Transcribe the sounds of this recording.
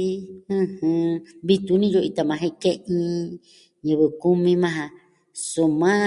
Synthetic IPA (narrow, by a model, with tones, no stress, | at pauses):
ɨ̃˧hɨ̃˧βi˧t̪u˧nĩ˦jo˧i˧t̪ã˧mã˧ɦẽ˧kẽ˦ʔĩ˦˧ | ɲɨ̃˧βɨ˧˨ku˦mĩ˧mã˦˧ɦã˧ | su˧mã˦